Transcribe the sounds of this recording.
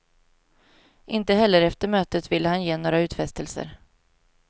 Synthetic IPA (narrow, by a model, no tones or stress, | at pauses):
ʔɪnt̪əɦɛlːəɾɛft̪əɾmøːt̪ət̪vɪlːəhanjeːnoːɾaʉ̟ːt̪fɛst̪əlsə̰ɾ